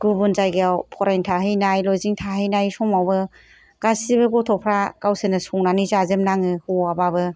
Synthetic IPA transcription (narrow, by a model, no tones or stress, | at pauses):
ɡ̥ubunzajɡeawpʰɔɾajntʰaɦɯjnajlɔjziŋtʰaɦɯjnajsɔmawbɯ | ɡ̥asibɯɡɔtʰɔpʰɾaɡ̥awsɯnɯsɔŋnanizazɯmnaŋɯhuababɯ